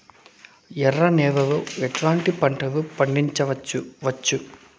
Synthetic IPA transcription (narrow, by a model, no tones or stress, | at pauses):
jɛrːɐneːʋɐʋɯɛʈlaːɳʈipɐɳʈɐʋɯpɐɳɖiɲt͡ʃɐʋɐuʋɐt͡ʃːu